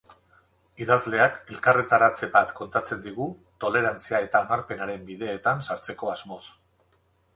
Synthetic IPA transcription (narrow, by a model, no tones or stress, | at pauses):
iðazle̞ake̞lkaret̪aɾat͡se̞βat̪ko̞nt̪at͡se̞nd̪iɣ̞ut̪o̞le̞ɾant͡siae̞t̪aonaɾpe̞naɾe̞mbiðe̞ːt̪ansaɾt͡se̞ko̞azmo̞s